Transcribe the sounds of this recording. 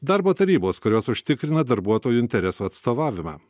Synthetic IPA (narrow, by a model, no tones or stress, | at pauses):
d̪ɐɾboːt̪ɐɾʲiːboːskʊɾʲoːsʊʃʲt̪ʲɪkɾʲɪnɐd̪ɐɾbuɔt̪oːjuɪnʲt̪ʲɛɾʲɛsuːɐt̪st̪oːʋɑːʋʲɪmɑ̰ː